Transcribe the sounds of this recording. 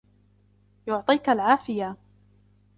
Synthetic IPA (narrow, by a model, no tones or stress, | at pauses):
jʊʕt̪ˤiːkalʕaːfɪja